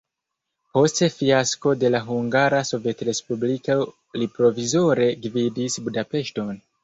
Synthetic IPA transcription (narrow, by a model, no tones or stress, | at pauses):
po̞ste̞fiasko̞de̞laɦuŋɡaɾaso̞ve̞tɾe̞spublika | lipɾo̞vizo̞ɾe̞ɡvidisbudape̞ʃto̞n